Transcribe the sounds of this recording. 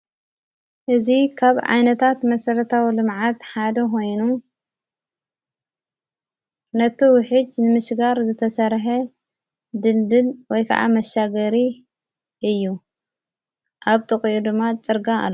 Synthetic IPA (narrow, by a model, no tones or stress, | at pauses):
ʔɨzikʰaβʕa̰jnɐt̪ʰat̪mɐsɐɾɐt̪ʰawilɨmʕat̪ħad̪ɐko̞jnu | nɐt̪ʰiwʊħɨd͡ʒnɨmɨʃɡaɾzɨt̪ʰɐsɐɾħe | d̪ɨnd̪ɨlwɔjkʰa̰ʕa̰mɐʃaɡɐɾi | ʔɨjːu | ʔaβt̪ʰʼɨkʼijud̪ɨmːat͡ʃʼɨɾɡaa̰lː